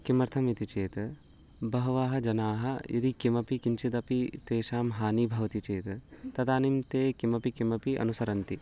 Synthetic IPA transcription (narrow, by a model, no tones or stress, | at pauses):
kimɐɾt̪ʰɐmit̪it͡ʃeːt̪ | bɐɦɐʋaːɦɐ̆d͡ʒɐnaːɦɐ̆id̪ikimɐpikint͡ʃid̪ɐpit̪eːʃaːmɦaːnibʱɐʋɐt̪it͡ʃeːt̪t̪ɐt̪aːnimt̪eːkimɐpikimɐpiʔɐ̰nusɐɾɐnt̪i